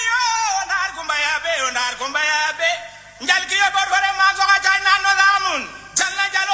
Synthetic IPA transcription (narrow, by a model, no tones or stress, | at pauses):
jondaɾkumbajabɛɾɔndaɾkɔmbajabɛ | ɲd͡ʒalkijɔbɔɾbɔɾɛmafɔkat͡ʃananːɔðamun | d͡ʒalːad͡ʒal